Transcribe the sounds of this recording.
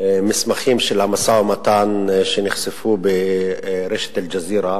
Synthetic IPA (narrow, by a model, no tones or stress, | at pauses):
mɪsmaxiːmʃelhamasawmat̪aːnʃenɪxsɪfube | ɾeʃḁt̪ald͡ʒaziːɾa